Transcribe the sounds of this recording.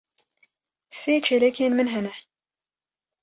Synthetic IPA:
seːt͡ʃʰelɛkʰeːnmɨnɦɛnɛ

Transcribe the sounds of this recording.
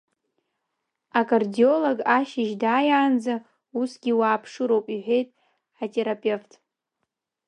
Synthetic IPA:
akʼardio̞loɡaʃɪʒdaːjaːnd͡za | usɡʲiwaːpʰʂɨɾo̞wpʼiħʷe̞jtʼ | atʰʼe̞ɾapʼe̞ftʰʼ

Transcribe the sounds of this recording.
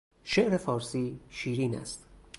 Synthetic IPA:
ʃeʔɾefɒːɾsiːʃiːɾiːnæ̰st̪̚

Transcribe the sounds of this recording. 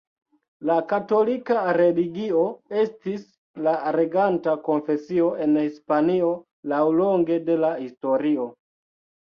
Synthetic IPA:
lakato̞likaɾe̞liɡioe̞stis | laɾe̞ɡantako̞nfe̞sio̞e̞nhispanio̞ | lawloŋɡe̞de̞lahisto̞ɾio̞

